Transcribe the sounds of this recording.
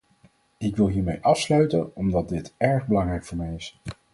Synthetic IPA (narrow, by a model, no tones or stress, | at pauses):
ɪkʋɪlˠɦiːɹmejʔɑfslœɥtənɔmdɑt̚dɪtɛɹχbəlɑŋrɛjkfʊːɹmɛjɪs